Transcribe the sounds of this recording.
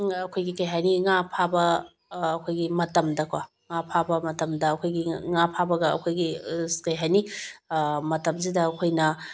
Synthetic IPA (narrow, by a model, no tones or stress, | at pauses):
ɐkʰojɡikɐjɦaniŋapʰabɐː | kʰojɡimɐtɐmdɐkwa | ŋapʰabɐmɐtɐmdɐːkʰojɡiŋapʰabɐɡɐɐ̰kʰojɡikɐjɦani | mɐtɐmzidɐːkʰojnɐ